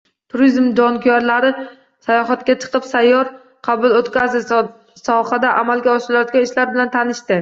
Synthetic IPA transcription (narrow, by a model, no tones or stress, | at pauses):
t̪ʰʊɾizmd͡ʒɒnkʲʰjaɾlaɾɪ | sajɒɦat̪kʲat͡ʃʰɨ̥qɨpsajːɒɾ | qʰɑbʊlˠot̪kʲazɪ | sɒhad̪aʔamalɡʲaɒʃɪlajɒt̪ɡʲanɪʃlaɾbɪlant̪ʰanɪʃt̪ɪ